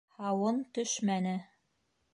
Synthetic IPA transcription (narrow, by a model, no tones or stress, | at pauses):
hɑwɤnt̪ɵʃmænɘ